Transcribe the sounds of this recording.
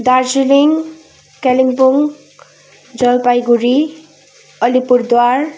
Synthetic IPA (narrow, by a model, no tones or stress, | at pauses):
d̪aɾd͡ʑiliŋ | kɛliŋpuŋ | d͡ʑɔlpajɡuɾi | ɔlipuɾd̪oaɾ